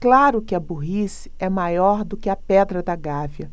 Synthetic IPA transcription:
klaɾʊkɪɐbuɦis | ɛmajɔɾd̪ʊkɪɐpɛd̪ɾɐd̪ɐɡaviɐ

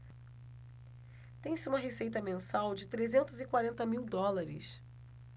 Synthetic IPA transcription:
t̪ẽj̃sɪũmɐɦesejt̪ɐmẽsawd͡ʒɪt̪ɾezẽnt̪ʊzɪkwaɾẽnt̪ɐmiwd̪ɔlaɾɪ̰s

